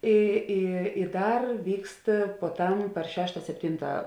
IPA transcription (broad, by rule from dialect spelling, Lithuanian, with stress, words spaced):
ˈiː ˈiː ɪ ˈdɐr ˈʋʲiːkst puɔˈtɐm pɐr ˈʃʲæːʃtɐ sʲɛpʲˈtʲɪntɐ